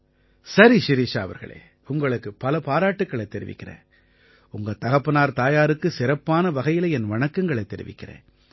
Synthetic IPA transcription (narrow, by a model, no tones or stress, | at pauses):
sɐɾiʃɪɾiːʂaːɐʋɐ̰ɾɣɐ̰ɭḛː | ʊŋɡɐɭɯkːɯpːɐlɐpaːɾaːʈːɯkːɐɭɐt̪ːɛɾɪ̰ʋɪ̰kːɪrḛː | ʊŋɡɐt̪ɐɣɐpːɯnaːɾt̪aːjaːɾɯkːɯsɪɾɐpːaːnɐʋɐɣɐjɪlɐɛnʋɐɳɐkːɐŋɡɐɭɐɪt̪ːɛɾɪ̰ʋɪ̰kːɪrḛː